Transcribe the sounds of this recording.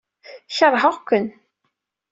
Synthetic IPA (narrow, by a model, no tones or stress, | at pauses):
çəɾˤːħəʁkʷːən